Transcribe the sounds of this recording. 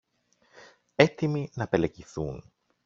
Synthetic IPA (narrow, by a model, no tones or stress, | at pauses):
e̞t̪iminɐpe̞leciθun